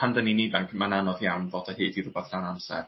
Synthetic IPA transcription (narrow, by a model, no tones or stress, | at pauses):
andəninidaŋkʰmananɔðjawnvodahiːdiɾʊbɛθd̥anamsɛ̰r